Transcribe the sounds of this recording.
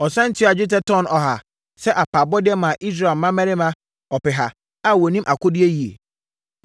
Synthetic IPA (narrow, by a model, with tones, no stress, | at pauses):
ɔ˨sɛ̃˦n̩˦tʰɪ˦˨a˨d͡ʑɪ˦t̬ɛ˦tʰɔ̃˦˨nɔ˨ɦa˨ | sɛ˦ʔa˨pʰa˨bɔ˦dɪ˦ɛ˦mã˨ʔi˦s̬ɾa˨mã˦mæ˦ɾɪ˦mã˦ | ɔ˨pɪ˨ɦa˨ | a˦˨wɔ˨nĩ˦mʔa˨kʊ˦dɪ˦e˦ji˨ḛ˨